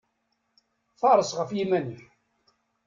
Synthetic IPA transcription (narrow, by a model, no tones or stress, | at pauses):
fɑɾˤəsʁəfjimænəħ